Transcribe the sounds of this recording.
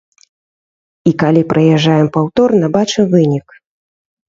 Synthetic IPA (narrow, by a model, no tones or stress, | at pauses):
ikalʲipɾʔɐjɛʐːajɛmpawt̪ɔrnɐbat͡ʂɨmvɨnʲik